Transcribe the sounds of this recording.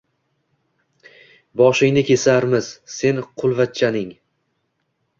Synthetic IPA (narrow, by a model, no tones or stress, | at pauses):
bɒʃɪŋnɪkʲʰe̞saɾmɪz̥se̞nqʰʊlˠvat̪̚t͡ʃʰanɪŋ